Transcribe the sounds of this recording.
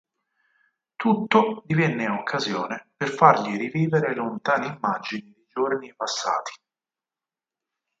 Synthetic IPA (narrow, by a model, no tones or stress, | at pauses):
t̪ut̪ːod̪ivɛnːeokʰːazjɔːneperfarʎiɾiviːveɾelont̪aːniimːad͡ʒinid̪id͡ʒornipasːa̰ːt̪ʰi̥